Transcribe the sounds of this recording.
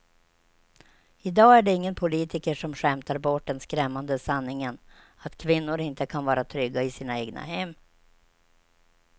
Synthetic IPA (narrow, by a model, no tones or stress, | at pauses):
ɪd̪ɑːæɖɛɪŋːənpʰʊliːt̪ɪkəʂɔmɧɛmt̪aɾbɔʈɖɛnskɾɛmːand̪əsanːɪŋən | at̪kʰvɪnːʊɾɪnt̪əkʰanvɑːɾat̪ʰɾʏɡːaɪsiːnaeːɡna̰hɛmː